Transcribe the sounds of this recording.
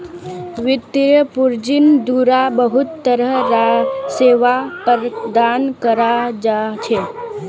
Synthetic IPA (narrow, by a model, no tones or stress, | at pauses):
ʋɪt̪ɾjəpuɾd͡ʒind̪uɾabəɦut̪ːəɾəɦɾaseːʋapəɾd̪ankəɾad͡ʒat͡ʃʰe